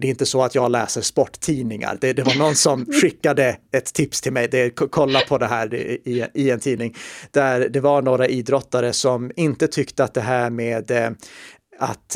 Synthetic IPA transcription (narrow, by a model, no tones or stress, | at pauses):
d̪ɛɾɪnt̪əsɔat̪jɑːɡlɛːsəspɔʈːʰiːnɪŋa̰ɾd̪ɛd̪ɛvaɳɔnːsɔmɧɪkːad̪əɛt̪ʰːɪpst̪ʰɪlmɛjd̪ɛkʰɔlːapʰɔd̪ɛɦæːɾ̰ɪɪɛnt̪ʰiːnɪŋd̪̥æɾd̪ɛvaɳoːɾaʔiːd̪ɾɔt̪ːaɾəsɔmɪnt̪ət̪ʰʏkt̪əat̪̚d̪ɛɦæːɾmeːd̪ | a̰t̪